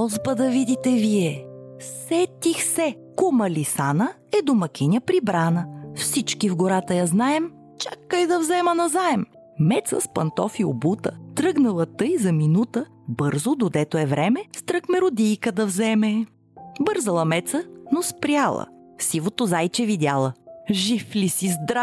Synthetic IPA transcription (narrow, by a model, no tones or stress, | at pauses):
ɔzbəd̪ɐvid̪it̪ɛviɛsɛt̪ixsɛ | komɐlisanə | ɛd̪omɐkʲinʲəpɾibɾanəfsit͡ʃkivɡoɾat̪əjaznaɛm | t͡ʃakːəjd̪ɐvzɛmɐnɐzaɛm | mɛt̪sə̰spɐnt̪ɔfio̰but̪ə̰t̪ɾɤɡnɐlˠɐt̪ɤjzɐminut̪ə | bɤɾzod̪od̪ɛt̪oɛvɾɛmɛst̪ɾɤxmɛɾod̪ijkəd̪ɐvzɛmɛ | bɤɾzəlˠɐmɛt̪sənospɾʲjalˠə̰sivot̪ozajt͡ʃɛvid̪ʲalˠəʒiflisizd̪ɾa